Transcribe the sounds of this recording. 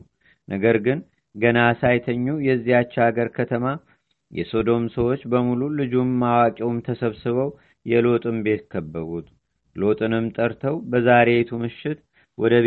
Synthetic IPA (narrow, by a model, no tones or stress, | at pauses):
nʔəɡəɾɡɨn | ɡənasajt̪ʰəɲːujɛzːihat͡ʃːaɡəɾkʰət̪ʰəma | jɛ̰so̞d̪o̞msəwo̞t͡ʃːbəmululɨd͡ʒumːawakʼɛwmt̪ʰəsəβsɨβəw | jɛlo̞t̪ʼɨmbe̞t̪kʰəbːəβut̪ | lo̞t̪ʼɨnɨmt̪ʼəɾt̪ʰəwbəzaɾe̞t̪ʰumɨʃːɪt̪ | wɔd̪əβ